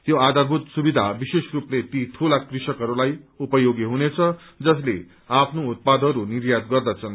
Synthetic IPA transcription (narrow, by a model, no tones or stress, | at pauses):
t̪joad̪ʱarbʱut̪subid̪ʱabisesruplet̪it̪ʰulakrisʌkɦʌɾulajupʌjoɡiɦunet͡sʰʌ | d͡zʌsle | apʰnout̪̚pad̪ʱʌɾunirjad̪ɡʌrd̪ʌt͡sʰʌn